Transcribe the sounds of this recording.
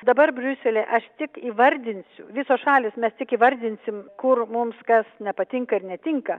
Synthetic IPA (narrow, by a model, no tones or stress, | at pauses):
d̪ɐbɐrbʲrʲʉsʲɛlʲeːʔɐʃt̪ʲɪkiːʋɐɾʲd̪ʲɪnʲsʲʊʋʲɪsoːsʃɑːlʲɪːsmʲɛst̪ʲɪkiːʋɐɾʲd̪ʲɪnʲsʲɪmkʊrmʊmskɐsnʲɛpɐt̪ʲɪŋkɐɪɾnʲɛt̪ʲɪŋkɐ